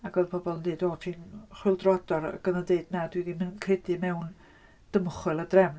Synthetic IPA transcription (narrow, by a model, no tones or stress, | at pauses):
aɡɔðpʰɔbɔlˠəndiːdoːtʰinχwɪlˠdrɔdɔɾə̰ɡ̥ənədeɨdnadwidimɪnkʰɪdɨmɛwn | d̥əmχwɨlˠədrɛm